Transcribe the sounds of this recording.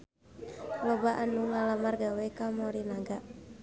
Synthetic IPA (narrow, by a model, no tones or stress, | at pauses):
lɔbaʔanuŋalamarɡawɛkamɔɾinaɡaʔ